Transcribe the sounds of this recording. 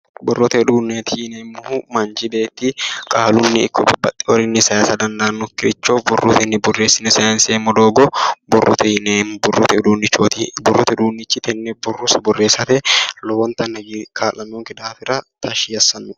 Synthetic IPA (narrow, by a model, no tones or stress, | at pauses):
bʊrːɔt̪ɛᶑuːnːeːt̪ɪjɪneːmːʊhumɐnd͡ʒɪbeːt̪ːɪkʼaːlʊnːɪɪ̰kːɔbɐbɐt̪ʼːɪɔɾɪnːɪsɐjaːsɐd̪ɐnd̪aːnːʊkːɪɾɪt͡ʃːoːfbʊrːʊt̪ɪnːɪbʊrːe̞ːsːɪnɐsɐjaːnseːmːɔd̪oːɡɔbʊrːʊ̰t̪ɛnbrːɔt̪ɛᶑuːnːɪt͡ʃːot̪bʊrːʊt̪ɛᶑuːnːɪt͡ʃːɪt̪ɛnːɛbʊrːʊsɐbʊrːe̞ːsːɐt̪ɛlɔwɔnt̪ɐnɐɡikʰaːlɐnːoːŋkɪd̪aːfɪɾɐt̪ʰɐʃiːɐsːɐnːʊ